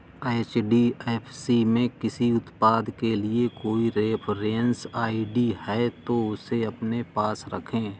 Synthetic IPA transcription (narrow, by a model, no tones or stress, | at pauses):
eːt͡ʃɖiɛːfʰsimẽkɪsiʊt̪paːd̪keliekoːiɾeːpʰɾensaːiɖihɛt̪oʊseɐpnepaːsɾɐ̰kʰẽː